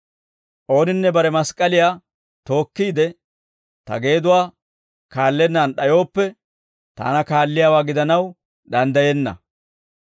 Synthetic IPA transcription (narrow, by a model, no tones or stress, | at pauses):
ʔo̞ːnɪnːɛbɐɾɛmɐskʼːɐlɪjaː | t̪o̞ːkːiːd̪ɛ | t̪ɐ̰ɡe̞ːd̪ʊwaː | kaːlːɛnːaːnɗɐjo̞ːpːɛ | t̪a̰ːnɐkaːlːɪjaːwaːɡɪd̪ɐnɐw | d̪ɐnd̪ɐjɛnːɐ̰